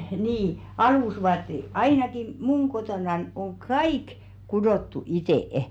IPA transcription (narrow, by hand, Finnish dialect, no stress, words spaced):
niː ɑluˑsʋɑːtːe ɑinɑki muŋ kotonɑn oŋ kɑik kudoˑtːu iteˑĕ